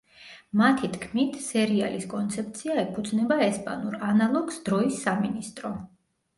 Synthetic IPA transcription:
mat̪ʰit̪ʰkʰmit̪ʰsɛɾia̰liskʼɔnt̪sʰɛp̚ʰt̪sʰiaɛpʰud̪znɛbaɛspʼa̰nuɾanalˠɔɡsd̪̥ɾɔisːaminist̪ʼɾɔ

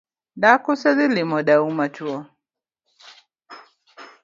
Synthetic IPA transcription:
dakusɛðilimɔɗaumat͡ʃuɔ

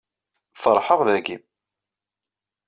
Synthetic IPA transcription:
fəɾˤħəʁðæɡim

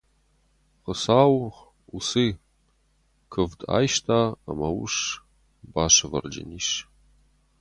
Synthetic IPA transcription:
χəsaːw | usiː | kʰɨvda̰ːjʃtʰaːa̰mɐwʊʂ | baːʂɨvɐ̰rd͡ʒɐ̰niːʂ

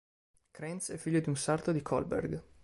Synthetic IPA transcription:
kɾɛnsɛfːiʎːod̪iunsart̪od̪ikʰɔ̰lbɛ̰rɡ

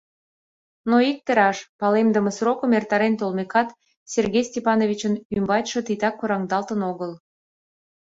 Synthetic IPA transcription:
noik̚t̪əɾɑʃpɑlemd̪əməsrokəmert̪ɑɾent̪olmekɑt̪ | sʲerɣʲejsʲtʲepɑnovʲit͡ɕənymbɑt̪ʲʃə̆t̪it̪ɑkːoɾɑŋd̪ɑlt̪ənoɣəl

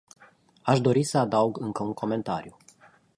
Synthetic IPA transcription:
aʃd̪o̞ɾisəad̪auɡɨŋkəuŋkʰo̞me̞nt̪a̰ɾiju

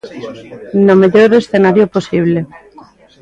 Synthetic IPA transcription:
nomeʎoɾesθenaɾjoposiβ̞le

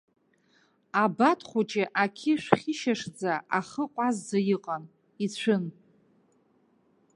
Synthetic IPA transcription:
abatʰχʷut͡ʃʼɪʔakʲʰɪʃᶣʷχʲɪʃaʂd͡zaaχəqʷʼazd͡zajiqʼan | it͡ɕʷʰɨn

